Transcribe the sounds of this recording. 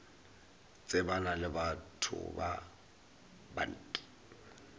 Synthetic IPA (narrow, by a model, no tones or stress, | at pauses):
t͡sʼɪbanalɪbatʰʊ̰ba̰ | ba̰n̩ːtʼi̥